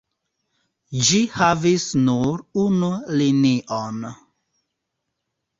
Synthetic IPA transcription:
d͡ʒihavisnuɾunuliniʔon

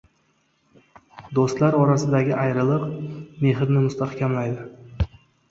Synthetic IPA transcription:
d̪ost̪laɾɒɾasɪd̪aɡʲɪʔajɾɪlˠɨqme̞ɦɪɾnɪmʊst̪ʰahkʲamlajd̪ɪ

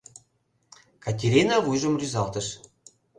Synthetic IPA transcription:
kɑt̪ʲeɾʲinɑβujʒə̆mrʲyzɑlt̪ə̆ʃ

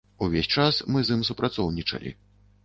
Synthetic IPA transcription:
uvʲesʲt͡ʂasmɨzɨmsupɾʔat̪sɔwnʲit͡ʂɐ̰lʲḭ

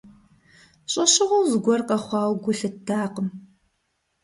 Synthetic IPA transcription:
ɕʼɐɕɪʁowzɡʷɔrqɐχʷɑːwɡʷʊɬɨtaːqəm

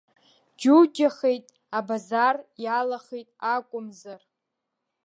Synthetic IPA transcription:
d͡ʒud͡ʒaχe̞jtʼ | abazarjalaχejtʼakʷʼʊmzar

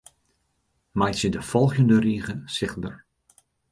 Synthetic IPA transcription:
majtsədəfɔlˠɣəndəriːɣəsɪχbər

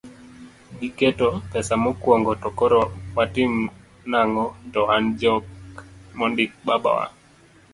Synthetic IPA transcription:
ɡiketɔpɛsamɔkwɔŋɡɔtɔkɔɾɔwatim | naŋɔd͡ʒɔhand͡ʒɔkmɔndɪk̚baba̰wa̰

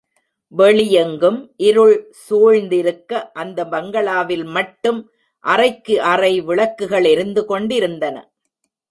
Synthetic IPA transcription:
ʋɛɭɪjɐŋɡɯmʔɪɾɯɭ | suːɻnd̪ɪɾɯkːɐʔɐnd̪ɐbɐŋɡɐɭaːʋɪlmɐʈːɯm | ʔɐrɐɪkːɯʔɐrɐɪʋɪɭɐkːɯɣɐɭɪɾɯnd̪ɯkɔɳɖɪɾɯnd̪ɐnɐ̰

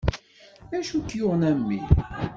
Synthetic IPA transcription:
æʃukːjʊʁnæmːḭ

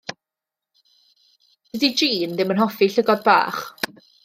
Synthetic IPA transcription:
did͡ʒiːndɪmənɦɔfiɬəɡɔd̚ba̰ːχ

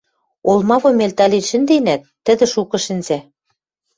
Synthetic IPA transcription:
olˠmɑβɤ̆melʲt̪ɑlʲinʃɘ̆nd̪enæt̪ːɘ̆d̪ɘ̆ʃukɤ̆ʃɘ̆nzæ

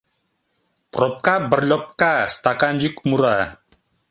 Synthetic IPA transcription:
prɔp̚kabərlɔp̚kast̪akaɲd͡ʒukmuɾa

